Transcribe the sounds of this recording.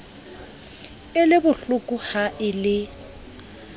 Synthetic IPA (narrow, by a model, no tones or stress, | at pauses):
ɪlɪbʊɬʊkʼʊhaʔɪlɪ